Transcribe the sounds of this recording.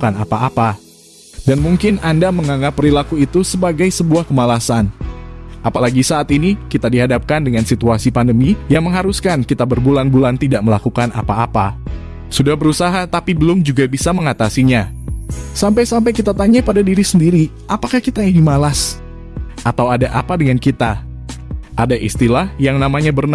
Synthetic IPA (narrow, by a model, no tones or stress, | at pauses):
kanapaːpa | danmuŋkɪnandaməŋaŋapːəɾilakuit̪usəbaɡajsəbuahkəmalasan | ʔapalaɡisaːt̪inikit̪adiɦadap̚kandəŋansit̪uasipandəmijaŋməŋɦaɾuskankit̪abərbulanbulant̪idaʔ̚məlakukanapaːpa | sudahbəɾusaɦat̪apibəlʊmd͡ʒuɡabisaməŋat̪asiɲa | sampajsampajkit̪at̪aɲapadadiɾisəndiɾi | ʔapakahkit̪ainimalas | ʔat̪awadaʔa̰padəŋankit̪a | ʔadaʔist̪ilahjaŋnamaɲabərna